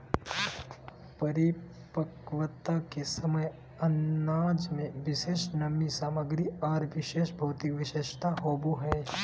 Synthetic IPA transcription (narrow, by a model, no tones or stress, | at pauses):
pəɾɪ | pəkʋət̪akesəməj | ɐnːaːd͡ʒmẽʋɪʃeːʃnɐmːisaːməɡɾiɔːɾʋɪʃeːʃbʱɐːt̪ɪkʋɪʃeːʃt̪ʰaɦoːbuɦɛː